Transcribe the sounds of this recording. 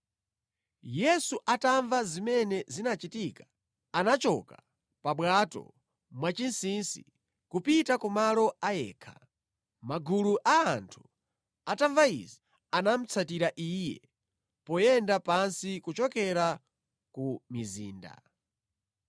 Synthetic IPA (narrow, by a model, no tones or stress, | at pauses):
jɛsuʔataɱvazimɛnɛzinat͡ʃitika | anat͡ʃɔka | paɓwatɔ̰ | mwat͡ʃinsinsḭ | kupitakumalɔajɛ̰ːkʰa | maɡuluʔaːntʰu̥ | ataɱvaḭzi | anam̩t͡sʰatiɾaʔiːjɛ̰ | pɔjɛndapansikut͡ʃɔkɛɾa | kumizḭːnda̰